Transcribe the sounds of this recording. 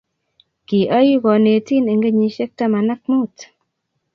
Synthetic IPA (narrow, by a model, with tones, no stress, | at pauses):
ki˨ʔa˦ji˦ɡɔ˨ne˨ti˦ne˨ŋɡe˦ɲi˨ʃɛ˦k̚ta˦ma˨na˦k̚mu˦t